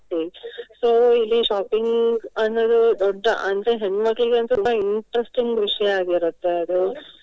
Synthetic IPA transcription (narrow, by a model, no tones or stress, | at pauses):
isoːilːiʃaːpiŋɡɐnːoːd̪ud̪ɔɖːɐʔɐnd̪ɾe̞ɦenmɐɡɐɭiɡeɐnt̪ut̪umbɐiɳʈɾesʈiŋɡʋiʂɐjɐaːɡiɾut̪ːeɐd̪u